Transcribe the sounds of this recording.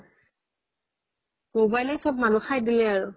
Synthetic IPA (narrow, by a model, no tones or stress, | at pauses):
mobajlɛsɔb̚manuxajdilɛaɹʊ